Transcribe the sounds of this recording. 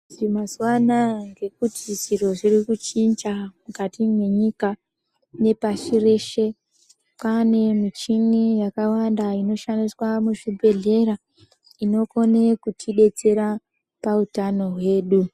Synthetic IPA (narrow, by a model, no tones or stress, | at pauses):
ʐimazwanaŋɡe̞k̚utiʐiro̞ʐirikut͡ʃind͡ʒamukatimwe̞ɲika | ne̞paʃire̞ːʃe̞ | pane̞mit͡ʃinijakawandaino̞ʃandiswamuʐibʱe̞ɮe̞ɾa | ino̞ko̞nekutʰiɗe̞t͡se̞ɾa | pautano̞ɦwe̞ːɗu